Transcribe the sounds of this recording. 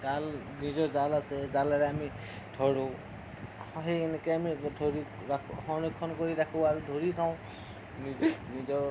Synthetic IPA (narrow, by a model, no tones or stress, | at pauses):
zal | nizɔzalasɛzalaɾaami | dʰʱɔɹo | ɦeɛnɛkɔjamidʱoɹi | akʰhɔnikʰːɔnkoɹiɾakʰɔbaɹudʱoɹitʰaʊ̃ | ninizɔɹ